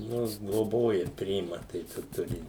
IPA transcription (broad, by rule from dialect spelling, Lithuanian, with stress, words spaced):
ˈnʊ ɡlˠoːˈboːjɛ ˈpʲrʲɪɪmɐ tɐɪ ˈt͡ʃʲɛ ˈtʊrʲɪ